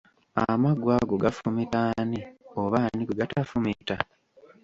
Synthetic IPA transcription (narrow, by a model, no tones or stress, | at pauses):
amaɡwaɡoɡafumitaːnioβaːnikeɡatafumita